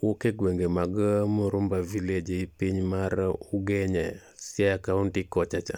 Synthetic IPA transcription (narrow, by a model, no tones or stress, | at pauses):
wokeɡweŋɡemaɡmoɾʊmbaviled͡ʒeipiɲmaɾʊɡɛɲɛsjakauntikɔt͡ʃat͡ʃa